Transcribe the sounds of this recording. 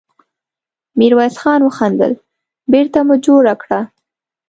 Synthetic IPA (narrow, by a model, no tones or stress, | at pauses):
miɾwɑsxɑnwəxand̪ə̰l | beɾt̪amʊd͡ʒoɾakɽa